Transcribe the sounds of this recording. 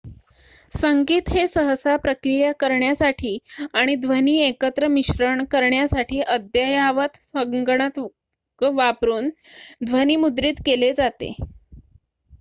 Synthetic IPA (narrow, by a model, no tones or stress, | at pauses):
səŋɡiːt̪ɦesəɦəsapɾəkɾijəkəɾɳjasaʈʰiːaɽ̃id̪ʱʋəniːekət̪ɾəmiɕɾəɳkəɾɳjasaʈʰiːʔəd̪jajaʋət̪səŋɡɳat̪ | ʋapɾuːnd̪ʱʋəniːmud̪ɾiːt̪keled͡zat̪ḛ